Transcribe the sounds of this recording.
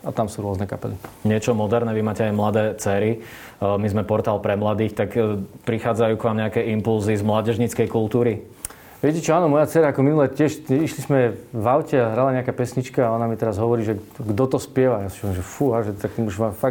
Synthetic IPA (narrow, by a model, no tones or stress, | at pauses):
at̪amsuːɾʊɔznɛka̰pɛliɲɪɛt͡ʃɔmɔd̪ɛɾnɛʋimaːcɛajmlad̪ɛːt͡sɛːɾi | mizmɛpɔɾt̪aːlpɾɛmlad̪iːxt̪akpɾixaːd͡zajuːkʋaːmɲɛakɛimpulzizmlaːɟɛʒɲit͡skɛjkulˠt̪uːɾi | ʋɪɛcɛt͡ʃɔaːnɔmɔjat͡sɛɾaakɔminulɛtɪɛʃiʃlizmɛʋaʊcɛaɦɾalaɲɛakaːpɛsɲit͡ʃkaːɔnamit̪ɛɾazɦɔʋɔɾiːʒɛɡd̪ɔt̪ɔspɪɛʋajasi̥ɔimʒɛfuɦaʒɛt̪akt̪ɔmuʒʋaːfa